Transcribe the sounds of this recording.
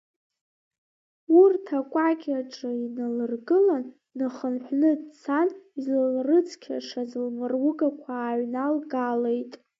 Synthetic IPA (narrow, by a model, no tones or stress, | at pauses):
urtʰakʷʼaɡʲaʈ͡ʂʼɨinalɨrɡɨlanː | ɨχənħʷnɨdt͡sʰanizlalrɨt͡sʰkʲʰa̰ʂazɨlmɨrwʊɡakʷʰaːɥnalɡalejtʼ